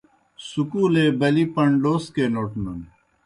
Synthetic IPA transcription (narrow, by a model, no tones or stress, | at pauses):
sukuːleːbɐlipɐɳɖoːskeːloːʈnɐn